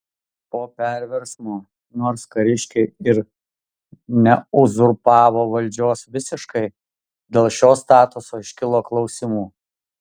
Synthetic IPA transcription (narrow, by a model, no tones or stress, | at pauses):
poːpʲɛˑɾʲʋʲɛɾsmoː | noːɾskɐɾʲɪʃʲkʲɛɪɪɾ | nʲɛʊzʊɾpɑːʋoːʋɐlʲd͡ʒʲoːsʋʲɪsʲɪʃkɐɪ | d̪ʲeːlˠʃʲoːst̪ɑːt̪ʊsoːɪʃʲkʲɪlˠoːklˠɒʊsʲɪmuː